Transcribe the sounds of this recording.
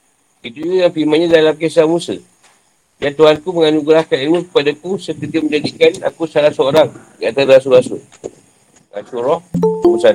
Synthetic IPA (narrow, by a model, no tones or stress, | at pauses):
it̪ud͡ʒuɡajaŋfilmãnɲãdalamkesamũsə̰ | dant̪uɦankuməŋanuɡɾahkanilmũkə̥padakusəkət̪əmə̃ɲd͡ʒadikana̰kusalahsəoɾaŋdiat̪adasuɡasṵ | ʔa̰suɾɔhmusan